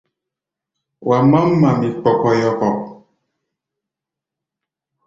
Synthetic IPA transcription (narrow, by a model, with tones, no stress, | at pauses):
wʔa˨ma˦m̩˦ma˨mi˨k͡pɔ˨kɔ˦jɔ˦kɔ˨ʔ̚